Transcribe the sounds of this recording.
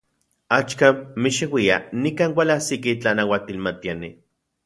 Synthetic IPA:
at͡ʃkamːiʃiwia̰nikaːnwʷalasikit͡ɬanawat̪ilmat̪iani

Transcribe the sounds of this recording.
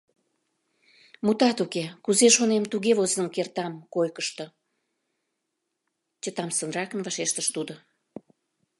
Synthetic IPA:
mut̪ɑt̪ukekuzeʃonemt̪uɣeβozənkert̪ɑmkojkəʃt̪ə̆ | t͡ɕət̪ɑmsənrɑkənvɑʃeʃt̪əʃt̪ud̪o

